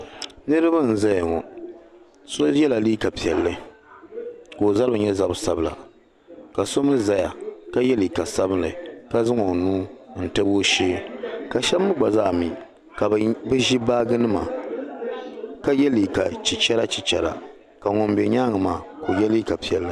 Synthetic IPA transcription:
nɨ˦ɾɨ˦ba˦n̩˨za˦ja˨ŋɔ˨ | so˦jɛ˦la˨liː˦ka˨pi˨ɛ˨lːɨ˦ | ko˨za˦lbɨ˨ɲɛ˦za˦bɨ˦sa˦bla̰˨ | ka˨so˦mɨ˦za˨ja˨ka˦jɛ˦li˨ka˨sa˦bɨ˦lɨ˨ka˦zɨ˦ŋo˨nuː˦n̩˨tɨ˦bo˦ʃeː˦ka˨ʃɛ˦bːɨ˦ɡ͡ba˨zaː˦˨mi˨ | ka˨bɨ˦ʒi˦baː˦ɡɨ˦nɨ˦ma̰˨ | ka˦jɛ˦li˨ka˨t͡ʃi˨t͡ʃɛ˦ɾa˦t͡ʃi˨t͡ʃɛ˨la̰˨ | ka˨ŋɔ˨m˦bɛ˨ɲa˦ŋɨ˨maː˨ko˨jɛ˦liː˦ka˨pi˨ɛ˨lːɨ˦

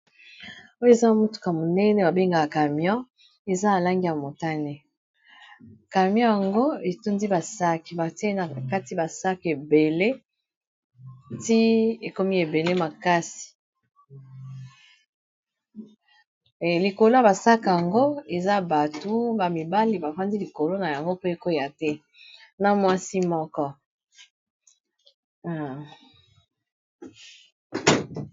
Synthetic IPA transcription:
o˦jo˦e˨za˦mu˦tu̥˨ka˨mo˨nɛ˦nɛ˨ba˨be˦ŋɡa˨ka˨mjɔ̃˦ | e˨za˦a˨la˦ŋɡi˦ja˨mo˨ta˦ne˨ | ka˨mjɔ̃˦ja˨ŋɡo˦e˨tu˦ndi˦ba˨sa˦ki˨ba˨te˦na˨ka˦ti˦ba˨sa˦ke˨be˨le˦ | ti˦e˨ko˦mi˦e˨be˨le˦ma˨ka˦si̥˨ | li˨ko˨lo˦ja˨ba˨sa˦ka˨a˨ŋɡo˦e˨za˦ba˨tu˦ba˨mi˨ba˦li˨ba˨fa˦ndi˦li˨ko˨lo˦na˨ja˨ŋɡo˦pe˦e˨ko˦ja˨tɛ˦ | na˦mwa˦si˦mɔ˦kɔ˦

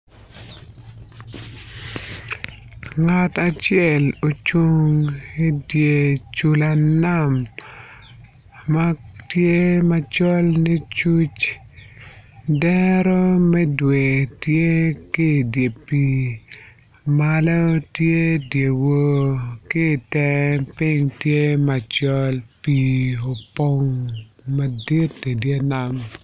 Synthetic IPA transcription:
ŋa˨ta˨t͡ʃɪɛ˦˨lo˨t͡ʃu˦ŋi˦dje˨t͡ʃu˦la˨na˦m | a˦tje˦ma˦t͡ʃɔ˦lni˦t͡ʃu˦t͡ʃ | dɛɾɔ˦mɛ˦dwe˨tje˦ki˦˨dje˨pi˦ | ma˦lɔ˦tje˦dje˨wo˦kɪ˦˨tɛ˦pɪ˦ŋtje˦ma˨t͡ʃɔ˦lpi˨o˨po˦ŋma˨di˦ti˨dje˦na˨m

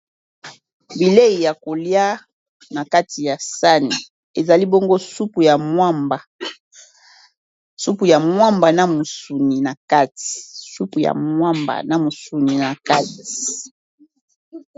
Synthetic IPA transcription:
bi˨le˦i˨ja˨ko˨lja˦ | na˨ka˦ti˨ja˨sa˦ni˨ | e˨za˨li˦bo˦ŋɡo˦su˦pu˨ja˨mwa˦mba˨ | su˦pu˨ja˨mwa˦mba˨na˨mo˨su˨ni˨na˨ka˦ti̥˨su˦pu˨ja̰˨mwa˦mba̰˨na˨mo˨su˨ni˨na˨ka˦ti̥˨

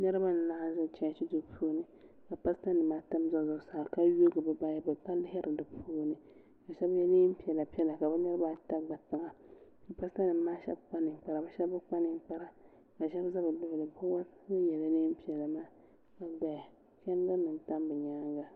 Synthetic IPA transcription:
nɛ˦ɾɨ˦ba˦n˨la˦ʔa˦n˦zʊ˦˨t͡ʃɛ̃˦˨t͡ʃi˦du˨pʰuː˦nɨ˦ | ka˨pa˦sta˦nɨ˨maː˦tɨ˦mza˦˨zʊ˨saː˨ka˦jo˦ɡɨ˨bɨ˨ba˦ja˦bɨ˨pa˦lːɦɛ˦ɾʔɨ˨dɨ˨pʰuː˦nɨ˦ | ka˨ʃɛ˦bjɛ˦niː˦m˦pi˨ɛ˨la˨pi˦ɛ˦la˨ka˨bɛ˦nɛ˦ɾɨ˦ba˦ta˦ɡ͡ba˨ta˨ŋa˨ka˨pa˦sta˦nɨ˨m˦maː˦ʃɛ̰˦b̚k͡pa˦nɨ˨˦k͡pa˦˨ɾa˨bɛ˦ʃɛ˦bːɨ˦k͡pa˦nɨ˦ŋ˦k͡pa˦ɾa˨ | ka˨ʃɛ˦bza˦bɨ˨lʊ˦ʔʊ˨lɨ˨bʊ˦wa˦ɨ˦jɛ˨la˨˦niː˦m˦pi˨ɛ˨la˨maː˦ | ka˨bda˨ | t͡ʃɛ˦n˦ɡa˦nɨ˨nta˦m˦bɨ˨ɲaː˦ŋɡa˦

